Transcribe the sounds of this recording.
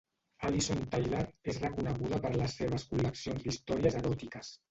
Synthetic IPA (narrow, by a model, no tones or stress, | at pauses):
alisont̪ajlaɾezrəkunəɣ̞uðəpəɾləsːeβ̞əskuləksionzd̪ist̪ɔɾiəzəɾɔt̪ikəs